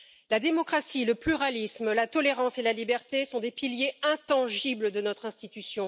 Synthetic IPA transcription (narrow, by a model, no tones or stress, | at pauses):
lad̪emɔkχasiləplyʁalismlat̪ɔleʁɑ̃selalibɛʁt̪esɔ̃d̪epiljeɛ̃t̪ɑ̃ʒibləd̪ənɔt̪χɛ̃st̪it̪ysjɔ̃